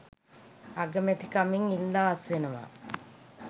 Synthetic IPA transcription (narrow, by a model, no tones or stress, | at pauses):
ɐɡɐmet̪ikɐmiŋilːaːsʋenɐʋa̰